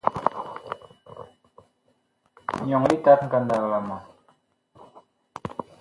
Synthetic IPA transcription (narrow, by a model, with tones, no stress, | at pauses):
ɲɔ˨ŋli˦ta˦t̚ŋ̩˨ka˨nda˨lla˨mɔ˨